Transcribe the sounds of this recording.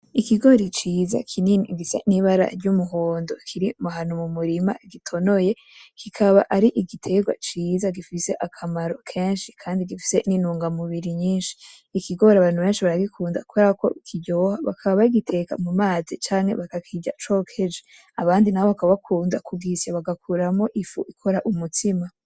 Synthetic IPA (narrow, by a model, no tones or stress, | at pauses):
ikiɡo̞ɾit͡ʃiːza̰kʰininiɡisa̰niβaɾa̰ɾɟumuɦoːndo̞kʰiɾimuɦanumumuɾima̰ɡitʰo̞no̞je̞ | kikʰaβaʔaɾiʔiɡitʰe̞ɡwa̰t͡ʃiːzaɡifise̞ʔakʰamaɾo̞kʰe̞ːnʃikʰaːndiɡifi̥se̞ninuːŋɡamuβiɾiɲiːnʃi̥ː | kʰiɡo̞ɾaβaːn̥huβe̞ːnʃiβaɾaɡikʰuːndakuɾako̞̰ikʰiɟoːhaβa̰kʰaββaiɡitʰe̞ka̰mumaːzit͡ʃaːŋhe̞̰βakakʰiɟa̰t͡ʃo̞ːkʰe̞d͡ʒe | aβaːndinao̞βakaββakʰuːndakuɡisjaβaɡakʰuɾamo̞ʔifuʔikʰo̞ɾaʔumutima